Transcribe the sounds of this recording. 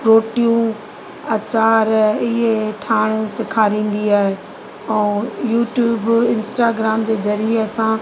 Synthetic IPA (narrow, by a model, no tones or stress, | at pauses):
ɾoːʈijũ | ɐt͡ɕaːɾɪɦeʈʰaːɽ̃sɪkʰaːɾĩːn̆d̪iaːɦe | ɛ̃ːjuːʈjuːbɪ̃nsʈaːɡɾaːmd͡ʑeːzɐɾieɐsã